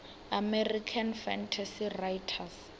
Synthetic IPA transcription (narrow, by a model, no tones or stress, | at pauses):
amerikʰanfɛntʰasirajtʰas